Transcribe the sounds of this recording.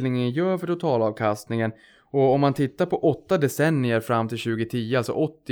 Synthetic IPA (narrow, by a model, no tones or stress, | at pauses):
lnɪŋənjœːfœʈʰʊt̪ʰɑːlɑːvkʰast̪nɪŋən | ɔɔmːant̪ʰɪt̪ːaɾpʰɔʔɔt̪ːad̪ɛsɛnːɪəɾfɾamːt̪ʰɪlɕʉ̟ːɡət̪ʰiːəalsɔ̰ʔɔt̪ːɪ